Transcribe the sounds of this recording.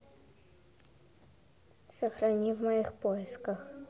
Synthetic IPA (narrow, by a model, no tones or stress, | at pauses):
sɐxɾɐnʲivmɐjixpojɪskɐx